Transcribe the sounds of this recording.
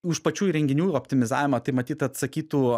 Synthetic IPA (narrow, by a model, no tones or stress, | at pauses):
ʊʃpɐt͡ʃʲuːɾʲɛŋʲɡʲɪnʲuːɔpʲt̪ʲɪmʲɪzɑ̰ːʋʲɪmɐt̪ɐɪmɐt̪ʲiːt̪ɐt̪sɐkʲiːt̪uː